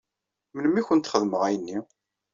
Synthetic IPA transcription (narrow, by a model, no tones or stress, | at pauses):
mənəmːiçʷənt̪χəðməʁæjənːi